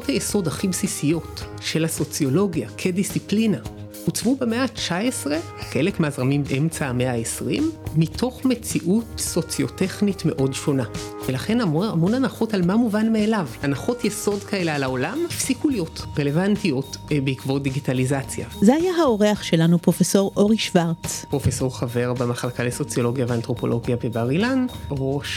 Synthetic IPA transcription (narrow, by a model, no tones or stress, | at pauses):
othajeso̞daχibsisijo̞t | ʃe̞laso̞t͡sjo̞lo̞ɡjakʰe̞disiplina | ut͡svube̞me̞at͡ʃaesʁe̞ | χe̞lekmeazʁamimbeʔemt͡saameaesʁḭmːitʰo̞χme̞t͡siʔutso̞t͡sjo̞te̞χnitme̞ʔo̞dʃo̞navelaχe̞namoamo̞nanaχo̞talmamuvanmeːlavanaχo̞tjeso̞dkaelealao̞lamifsikulijo̞tʁele̞vantijo̞tbeikvo̞diɡitalizat͡sja̰zeajaɦao̞ʁeaχʃe̞lanupʁo̞feso̞ʁʔo̞ʁiʃvaʁt͡spʁo̞feso̞ʁχave̞ʁbemaχlakaleso̞t͡sjolo̞ɡjaveantʁo̞po̞lʔo̞ɡjabebaʁilanʁoʃ